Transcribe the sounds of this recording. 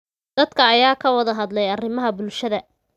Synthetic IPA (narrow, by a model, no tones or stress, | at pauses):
d̪̥ɐd̪̥kʰɐːjaːkʰɐwɐðɐɦɐd̪lɛjɐrɪmɐɦɐbʊlʃɐðɐ